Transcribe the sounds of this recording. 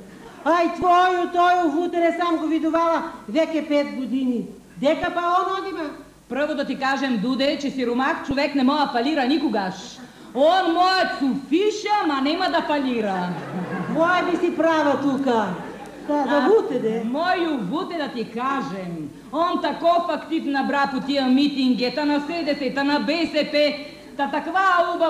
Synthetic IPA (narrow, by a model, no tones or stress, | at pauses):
ait̪vɔjut̪ɔjuvut̪ɛɾɛsamɡovid̪uvalavɛkʲɛpɛt̪ɡod̪ini | d̪ɛkapaɔnɔd̪ima | pɾɤvod̪at̪ikaʒɛmd̪ud̪ɛt͡ʃɛsiɾumakt͡ʃovɛknɛmɔafaliɾanikoɡaʃ | ɔnmɔjat̪sufiʃamanɛmad̪afaliɾɐ | mɔɛbisipɾavɐt̪uka | aavut̪ɛd̪ɛmɔjuvut̪ɛd̪at̪ikaʒɛm | ɔnt̪akɔpakt̪it̪nabɾapot̪iəmit̪iŋɡɛt̪anasɛd̪ɛsɛt̪anabɛsɛpɛ | t̪at̪akvaubɐ